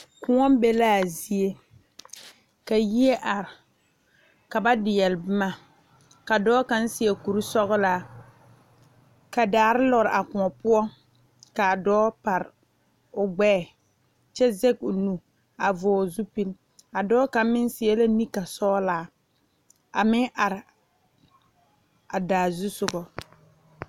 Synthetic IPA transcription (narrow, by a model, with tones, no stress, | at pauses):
kʊ˦ŋɔ˦m˦be˦laː˦˨zi˦e˦ | ka˨ji˦e˦ʔa˨ɾɪ˨ | ka˨ba˦dɪ˨jɛ˨lbɪ˦ma˦ | ka˨dɔː˦ka˦n̩˦sɪ˦ɛ˨ku˨ɾi˦sɔ˦ɣʊ˦laː˦ | ka˨daː˨ɾɪ˦lɔ˨ɾɪ˨ʔa˨kʊ˨ɔ˨pʊ˦ɔ˦ | ka˨dɔː˦pa˨ɾɪ˨ | ʊ˨ɡ͡bɛː˦˨ | t͡ʃɛ˦zɛ˦ɡ̚ʊ˨nu˨ | a˨vɔː˨zu˦pi˦l | a˨dɔː˦ka˨˦mɪ˦n˦sɪ˨ɛ˦la˦ni˦ka˨sɔː˦laː˦ | a̰˨mɪ˦ŋʔa˨ɾɪ˨ | a˨daː˨zu˦sʊ˨ɡɔ˨